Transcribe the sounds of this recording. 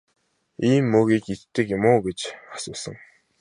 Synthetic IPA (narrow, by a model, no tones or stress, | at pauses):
iːmːɵːɣiːkit͡ɕt̪ɘ̆kjɪmʊːɡet͡ɕḁsʊːsə̰̆ŋ